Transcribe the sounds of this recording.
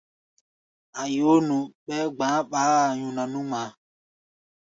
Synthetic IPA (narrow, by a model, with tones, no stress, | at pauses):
a˨jo˨˦nũ˨ɓɛ˦ɡ͡bãː˨˦ɓaː˦a˨ɲũ˨nã˨nũ˦mã˨˦